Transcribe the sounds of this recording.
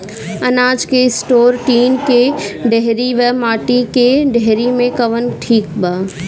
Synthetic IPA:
ɐnaːd͡ʒkesʈoːɾʈiːnkeɖeɦɾiʋəmaːʈikeɖeɦɾimẽkɐʋənʈʰiːkbaː

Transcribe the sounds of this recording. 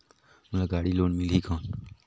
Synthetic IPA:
mulaɡaːɽiloːɳmɪliːkaːn

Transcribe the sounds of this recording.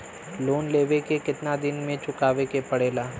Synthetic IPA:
loːnleːʋekekɪt̪nad̪ɪnmẽt͡ʃʊkaːʋekepɐɽeːlaː

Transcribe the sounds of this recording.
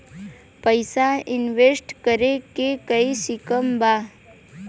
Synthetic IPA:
pəɪsaɪnʋesʈkəɾekekəisɪkəmbaː

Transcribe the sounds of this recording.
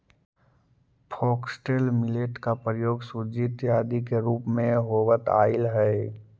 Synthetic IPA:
pʰɔːksʈeːlmɪleʈkapɾəjoːɡsud͡ʒit̪jaːd̪ikeɾuːpmẽɦoːʋət̪a̰ːɪlɦɛɪ

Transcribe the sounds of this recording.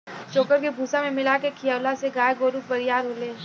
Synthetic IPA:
t͡ʃoːkəɾkebʱuːsamẽmɪlakekʰijawlaseɡaːjɡoːɾuk̚bɐɾɪjaːɾɦoːleː

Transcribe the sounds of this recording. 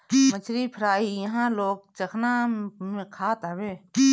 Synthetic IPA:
mət͡ʃʰɾipʰəɾaːiːjɐɦãloːɡ̚t͡ʃɐkʰnãmẽkʰaːt̪aweː

